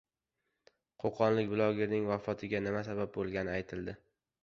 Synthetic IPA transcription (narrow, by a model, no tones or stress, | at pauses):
qʰoqʰɒnlɪkʲbɪlˠɒɡʲeɾnɪŋvafɒt̪ʰɪɡʲanɪmasabab̚bolˠɡʲanɪajt̪ʰɪld̪ɪ